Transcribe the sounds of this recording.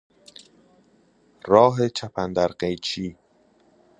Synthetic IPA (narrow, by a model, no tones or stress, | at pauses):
ɾɒːɦet͡ʃʰæpʰænd̪æɾɢejt͡ʃʰiː